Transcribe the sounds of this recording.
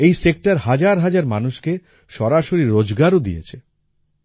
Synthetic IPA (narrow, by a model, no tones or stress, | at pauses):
ejsek̚ʈaɾɦad͡ʑaɾɦad͡ʑaɾmanuʃke | ʃɔɾaʃoɾiɾod͡ʑɡaɾod̪ḭjḛt͡ɕʰe